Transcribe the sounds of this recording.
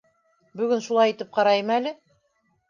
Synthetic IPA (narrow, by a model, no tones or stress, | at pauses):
bɵ̆ɡɘnʃulˠɑjit̪ɘp̚qɑɾɑjɤmælɘ